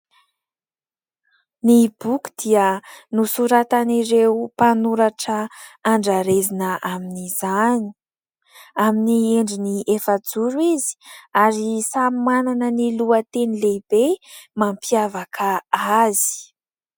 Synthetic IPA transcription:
nib̥uku̥d̪iənusuɾat̪aniɾeupanuɾaʈ͡ʂəːɳɖ͡ʐaɾezinəʔaminizani̥ | aminieɳɖ͡ʐiniʔefad͡zuɾuizi̥aɾisammananəniluət̪enileib̥emampiavakʰaazi̥

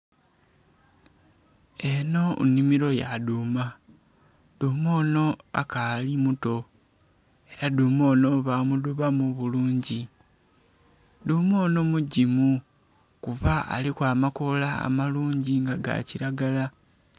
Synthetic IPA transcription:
e̞no̞ṵnimiɾo̞jaduma | d̥umo̞ːno̞a̰kalimuto̞ | e̞ɾadumo̞ːno̞βamuduβamuβuluːɲɟi | dumo̞ːno̞muɟimu | kuβaa̰likwaːmako̞la̰ːmaluːɲɟiŋɡaɡa̰ciɾaɡala

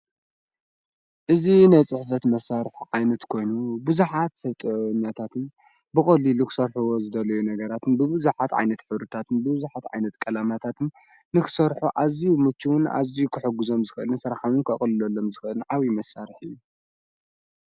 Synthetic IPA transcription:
ʔɨzinajt͡sʼɨħfɐt̪mɐsːaɾɨħʕajnɐt̪kʰo̞jnubɨzuħat̪sɐβt̪ʼɨɲːat̪ʰat̪ʰɨn | bɨxʼɐlilukʰɨ̥sɐɾħuwozɨd̪ɐlɐjunɐɡɐɾat̪ɨnbɨβɨzuħat̪ʕa̰jnɐt̪ħɨβɾɨt̪ʰat̪ɨnbɨbɨzuħat̪ʕa̰jnɐt̪kʼɐlamat̪ʰat̪ʰɨnː | ɨkʰɨ̥sɐɾħuʔazijumɨt͡ʃʰːiwʊna̰zijukʰɨħɨɡuzo̞mzɨxʔɨlɨnsɐɾxawɨnkʰɐχʼlɨlɐlːo̞mzɨxʔɨnʕaβimɐsːaɾɨħɨjːu

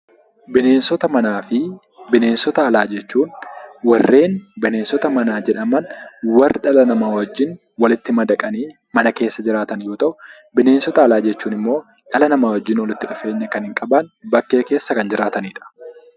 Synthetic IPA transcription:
bɪne̞ːnsɔt̪ɐmɐnaːfɪ | bɪne̞ːnsɔt̪ɐːlaːd͡ʒɛt͡ʃːuːnwɐrːe̞ːnbɪne̞ːnsɔt̪ɐmɐnaːd͡ʒɛᶑɐmɐnwɐrːɪᶑɐlɐnɐmawɐd͡ʒːɪn | wɐlɪt̪ːɪmɐd̪ɐkʼɐniː | mɐnɐke̞ːsːɐd͡ʒɪɾaːt̪ɐnjo̞ːt̪ɐʔʊ | bɪne̞ːnsɔt̪ɐːlaːd͡ʒɛt͡ʃːuːnɪmːo̞ː | ᶑɐlɐnɐmaːwɐd͡ʒːɪnwɐlɪt̪ːɪᶑʊfe̞ːɲːɐkɐnhɪŋkʼɐbɐnbɐkːe̞ːke̞ːsːɐkɐnd͡ʒɪɾaːt̪ɐniːᶑɐ̥

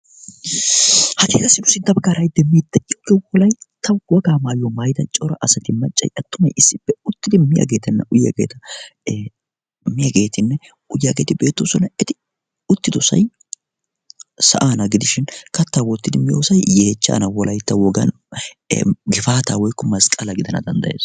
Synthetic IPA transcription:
hɐt̪ḛːt̪ɐsɪnʊsɪnt̪ːɐbɐkaːɾɐjd̪ɛmːiːt̪ːɐɪokːɛwɔlɐjt̪ʰɐwwɔɡaːmaːjɔmɐjd̪ɐt͡ʃʼɔɾɐ̰ʔɐsɐt̪ɪmːɐt͡ʃʼːɐ̰jɐt̪ːʊmɐjɪsːɪpːɛʊt̪ːɪd̪ɪmɪjɐ̰ɡe̞ːt̪ɛnːɐʔʊjːɐ̰ɡḛːt̪ɐ | mɪjɐɡe̞ːt̪ɪnːɛ | ʊjaɡe̞ːt̪ɪbe̞ːt̪ːosɔnɐɛt̪ɪ | ʊt̪ːɪd̪ɔsɐ̰j | sɐ̰ʔaːnɐɡɪd̪ɪʃɪnkɐt̪ːawɔt̪ːɪd̪ɪmɪjoːsɐjjeːt͡ʃːa̰ːnɐwɔlɐjt̪ːɐwɔɡɐ̰n̰ | ɡɪfaːt̪aːwɔjkːɔmɐskʼɐlɐɡɪd̪ɐnɐ̰d̪ɐnd̪ɐjḛːs

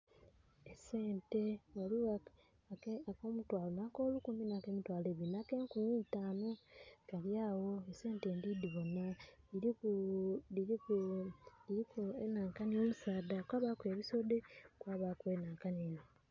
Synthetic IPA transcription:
eseːnte̞walia | akoːmutwaːlonakoːlukuminakemitwaːleːβinake̞ːŋkumiːtaːnokaljaːwo̞ese̞ːnteːndidiβo̞nːa | iɾikuliɾi | iɾikuenaːŋkanioːmusaːdakwaːβakweːβiso̞dekwaːβakweːnaːŋkaniːno

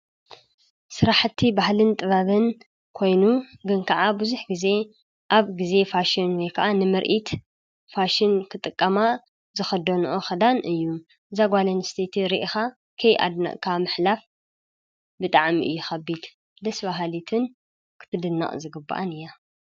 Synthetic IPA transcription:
sɨɾaħɨt̪ʰːibahlɨnt̪ʼɨβaβɨn | kʰo̞jnuɡɨnkʰaʕabɨzuħɡize̞ | ʔaβɡize̞faʃinwɔjkʰɐʔanɨmɨɾʔit̪ | faʃɪnkʰɨt̪ʼɨkʼːɐma | zɨxɐd̪onuʔoxɐd̪anɨjːu | ɨzaɡʷalɐnst̪ʰet̪ʰiɾiʔxa | kʰɐjʔa̰d̪nɐ̰ʔkʰamɨħlaf | bɨt̪ʼaʕmḭʔɨjːuxɐbːid̪ | d̪ɐsbaɦalit̪ʰɨn | kʰɨ̥t̪ʰɨd̪ɨnːa̰χʼzɨɡɨbːa̰ʔanɨjːa

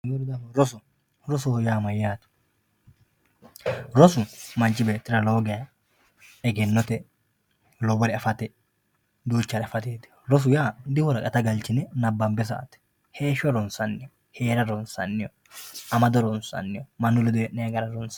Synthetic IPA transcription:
ɡuɾd̪aɾɔsʊ | ɾɔsʊhɔjaːmɐjːaːt̪ʊ̥ | ɾɔsʊmɐnt͡ʃːɪbeːt̪ʼːɪɾɐlo̞ːɡɛjɐ | ɛɡɛnːɔt̪ɛ | lɔbɔɾɪɐfɐt̪ɛ | d̪uːt͡ʃːɐɾɐfɐt̪eːt̪ɪ̥ɾɔs̬ʊjaːd̪ɪhɔɾɐkʼɐt̪ɐɡɐlt͡ʃɪnɛnɐbːɐmbɛs̬ɐ̰ʔɐ̰t̪ɛ̥ | he̞ːʃɔɾɔnsɐnːɪjɔ | heːɾɐɾɔnsɐ̰nːɪjɔ | ʔɐmɐd̪ɔɾɔnsɐ̰nːɪjɔmɐnːʊlɛd̪ʊjɛʔːɛjɐɡɐɾɐɾɔns

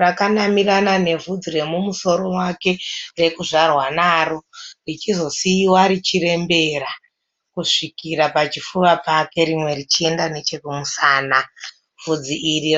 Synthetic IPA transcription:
rakanamiranane̞vud͡zire̞mumuso̞ɾo̞mwake̞re̞kuʐarwanaːrorit͡ʃizo̞siːwaɾit͡ʃiɾe̞mbe̞ɾa | kuʂikiɾapat͡ʃifuʋapake̞ɾimwe̞rit͡ʃie̞ndane̞t͡ʃe̞kumusaːna | vud͡ziʔiɾi

